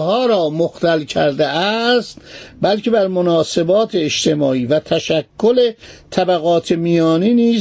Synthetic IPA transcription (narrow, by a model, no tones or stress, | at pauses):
hɒːɾɒːmoxt̪ælcʰæɾd̪eʔæst̪bælcʰe̞bæɾmonɒːse̞bɒːt̪ʰeːʃt̪e̞mɒːiːvæt̪ʰæʃækʰːolet̪ʰæbæɣɒːt̪ʰemijɒːniːniː